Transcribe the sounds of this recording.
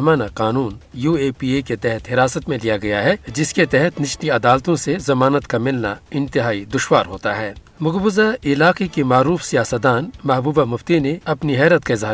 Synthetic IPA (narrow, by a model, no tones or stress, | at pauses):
maːnaqaːnuːnjuːeːpiːeket̪ɛɦɛt̪ɦɪɾaːsət̪mẽlijaɡɐjaɦɛd͡ʒɪsket̪ɛɦɛt̪nɪʃniɐd̪aːlt̪õsezɐmaːnət̪kamɪlna̰ɪ̃nt̪ɪɦaːid̪ʊʃwaːɾɦoːt̪aɦɛː | mʊɡbʊzaɪlaːqekemaːɾuːfsijaːsət̪̚d̪aːnmɐɦbuːbamʊft̪ineɐpniɦɛːɾət̪kaɪzaː